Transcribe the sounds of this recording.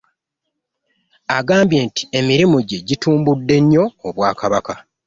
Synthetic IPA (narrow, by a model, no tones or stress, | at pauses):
aɡaːmbje̞ːnti̥e̞miɾimuɟe̞ɟituːmbudːe̞ɲːo̞ːβwaːkaβaka